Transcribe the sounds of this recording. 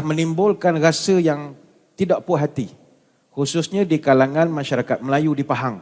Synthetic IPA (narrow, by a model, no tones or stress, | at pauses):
hmə̃nimbʊlkanɾasəjaŋ | t̪idaʔpʊɦat̪i | hususɲãdikalaŋãnmãʃaɾakat̪̚məlajudipaɦaŋ